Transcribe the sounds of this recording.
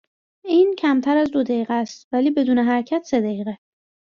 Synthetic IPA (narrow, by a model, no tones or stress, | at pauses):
iːncʰæmt̪ʰæɾæzd̪od̪æiːɣæst̪væliːbe̞d̪uːneɦæɾcʰæt̪ʰse̞d̪æiːɣe